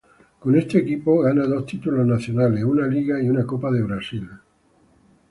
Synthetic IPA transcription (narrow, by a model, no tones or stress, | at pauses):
ko̞nest̪eːkipoɣanaðo̞st̪it̪uloznaθjonaleunaliɣaiunakopaðe̞βɾasil